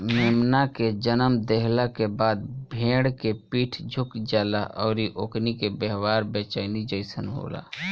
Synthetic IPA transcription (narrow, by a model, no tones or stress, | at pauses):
meːmnaked͡ʒənəmd̪eɦlakebaːd̪̚bʱẽːɽkepiːʈʰd͡ʒʱʊkd͡ʒaːlaʔɔːɾiʔoːknikebeɦwaːɾbɛːt͡ʃaːɪnid͡ʒəɪsənɦo̰ːla̰ː